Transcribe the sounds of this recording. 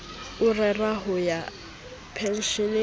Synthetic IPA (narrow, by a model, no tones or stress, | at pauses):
ʊrɛraɦʊja | pʰɛn̩ʃɔne